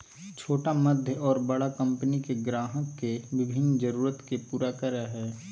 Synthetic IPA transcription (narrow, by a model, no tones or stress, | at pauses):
t͡ʃʰoːʈamɐd̪ʱjəɔːɾbɐɽakɐ̃mpnikeɡɾaːɦəkːeʋɪbʱɪnːd͡ʒəɾuːɾət̪kepuːɾakəɾaɦɛː